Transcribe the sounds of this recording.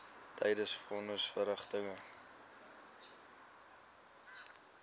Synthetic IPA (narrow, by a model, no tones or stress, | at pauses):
tʰɛjdəsfɔnəsfəɾəχtəŋə